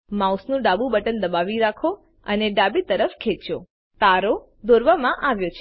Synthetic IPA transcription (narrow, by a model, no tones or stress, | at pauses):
mausnũɖabubəʈənd̪əbaʋiɾakʰo | ə̰neɖabit̪əɾəfkʰet͡ʃo̰ | t̪aɾo | d̪oɾʋamãʔaʋjot͡ʃʰe